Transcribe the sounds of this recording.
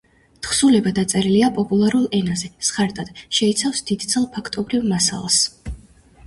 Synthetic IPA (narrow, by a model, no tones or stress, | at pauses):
t̪ʰχsulɛbad̪at̪sʼɛɾiliapʼɔpʼulˠaɾulˠɛnazɛsχaɾd̪ʼad̪̥ʃɛit̪sʰafsd̪̥id̪t̪sʰɛlˠpʰakʰt̪ʼɔbɾivmasa̰lˠa̰s